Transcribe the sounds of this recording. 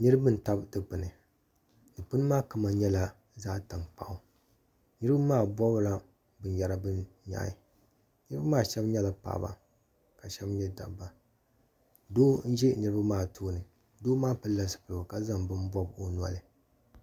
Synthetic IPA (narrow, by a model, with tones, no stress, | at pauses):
nɨ˦ɾɨ˦bɨ˦n̩˨ta˦bdɨ˦pɨ˨nɨ˨ | nɨ˨pɨ˦nɨ˦maː˦kɨ˦ma˨ɲɛ˦la˦ | zaː˦ta˨ŋk͡pa̰˨ʔʊ˦ | nɨ˦ɾɨ˦ba˦maː˦bɔ˦bla˦ | bɨ˦n˨ja˦ɾa˦bɨ˦nɲa̰˨˦ɪ˨ | nɨ˦ɾɨ˦ba˦maː˦˨ʃɛ˦bɲɛ˦la˨pa̰˨ba̰˨ | ka˨ʃɛ˦bɲɛ˦da̰˨bbːa˨ | doː˦n̩˦ʒɛ˦nɨ˨ɾɨ˦ba˦maː˦˨tʰoː˦nɨ˨ | doː˦maː˦pɨ˦lːa˦sɨ̥˨pɨ˨lo˨ka˨za˦˨mbɨ˦n˦bɔ˦bo˦nwa̰˨lɨ˨